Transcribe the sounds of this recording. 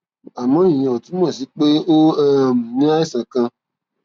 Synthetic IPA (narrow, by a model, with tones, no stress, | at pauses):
a˨mɔ̃˨˦ĩ˨j̃ĩ˧˨o˨ti˨˦mɔ̃˦˨s̬i˨˦k͡pe˦o˦ɛ˦m̩˨mĩ˦a˦i˦˨sã˨kã˧